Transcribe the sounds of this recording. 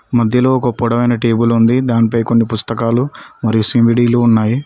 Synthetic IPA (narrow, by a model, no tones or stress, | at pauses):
mɐd̪ʱjɐlo̞ːkɐpːuɽɐʋɐjnɐʈiːbulund̪id̪aːnipɐjkonːipust̪ɐkaːlumɐɾijusimʋiɖiːluːunːaːji